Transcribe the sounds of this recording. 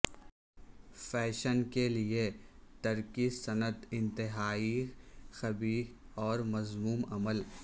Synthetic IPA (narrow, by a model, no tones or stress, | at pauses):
fɛːʃənkeliet̪ɐɾkisɐnət̪ɪ̃nt̪ɪɦaːixɐbiː | ɔːɾmɐzmuːmɐməl